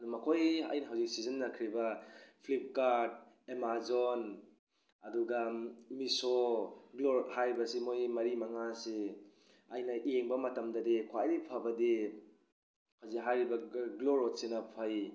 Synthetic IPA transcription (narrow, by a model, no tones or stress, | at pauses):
ɐdumɐkʰojɐ̰jnɐɦawzik̚sizɐnːɐkʰɾibɐpʰlip̚kaɾd̚ | emazon | ɐduɡamisoɡloɾthajɾibɐsimojmɐɾimɐŋase | ɐjnɐieŋbɐmɐtɐmdɐdekʰwaɾipʰabɐde | hawzik̚ɦajɾibɐɡloɾot̚senɐpʰaj